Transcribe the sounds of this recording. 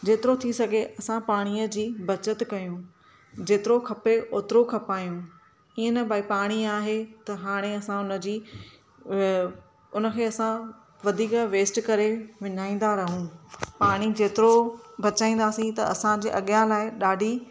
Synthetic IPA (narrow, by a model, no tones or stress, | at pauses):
d͡ʑeːt̪ɪɾot̪ʰisɐɡʱeɐsãpaːɽ̃iːəd͡ʑiːbɐt͡ɕət̪kɐjũ | d͡ʑeːt̪ɪɾokʰɐpeʔoːt̪ɪɾokʰɐpaːijũ | iːənɐbʱaːipaːɽ̃iaːɦet̪ɐɦaːɽ̃eɐsãʊnə̆d͡ʑiː | ʊnə̆kʰeːɐsã | ʋɐd̪ʱiːkʋeːsʈkɐɾeʋɪɲaːĩːn̆d̪aɾɐɦũpaːɽ̃id͡ʑeːt̪ɪɾobɐt͡ɕaːĩːn̆d̪aːsĩt̪ɐɐsãd͡ʑḛːʔɐɠjãlaːɪɗaːɖʱi